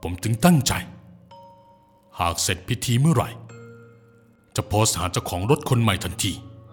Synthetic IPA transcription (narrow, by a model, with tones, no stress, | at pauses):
pʰo˩˦mt͡ɕɯ˧ŋt̪a˥˩ŋt͡ɕa̰˨˧j | haː˨˩k̚se˨˩t̪̚pʰi˦˥t̪ʰiː˧mɯ˥˩ɐɾa̰˨˩j | t͡ɕa˨˩pʰɔː˧saː˩˦t͡ɕa˧wkʰɔː˩˦ŋɾo˦˥t̪̚kʰo˧nma˨˩jt̪ʰa˧nt̪ʰiː˧